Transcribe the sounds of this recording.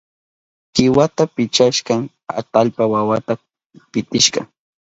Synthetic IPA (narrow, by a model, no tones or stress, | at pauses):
hɪwat̪apɪt͡ʃaʃɢɑŋ | a̰t̪alpawawat̪a | pɪt̪ɪʃɢɑ̰